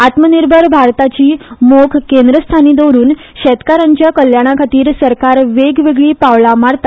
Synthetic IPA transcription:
at̪məniɾbʱəɾbʱaɾt̪at͡ɕiːmokʰkend̪ɾəst̪ʰaniːd̪oɾuːn | ɕɛt̪kaɾaɲt͡ɕjakəljaɽ̃akʰat̪iːɾsəɾkaɾʋeɡʋeɡɭiːpaʋɭamaɽt̪a

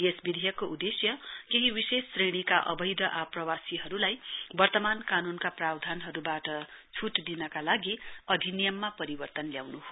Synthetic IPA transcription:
esbid̪ʱijʌkːoʔud̪esjʌkeɦiwisesːreɽ̃ikaʔʌ̰bʌjd̪ʱʌʔaprʌwasiɦʌɾulajbʌrt̪ʌmankanunkaprabd̪ʱanɦʌɾubaʈʌt͡sʰuʈd̪inʌkalaɡiʌd̪ʱinijʌmːapʌɾibʌrt̪ʌnljawnuɦo

